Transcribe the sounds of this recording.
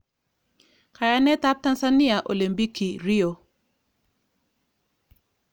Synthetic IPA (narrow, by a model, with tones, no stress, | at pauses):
ka˨ja˨nɛ˦ta˦p̚ta˦nsa˦ni˦a˨ʔo̰˨li˨mbi˦ki˨ɾi˦o˨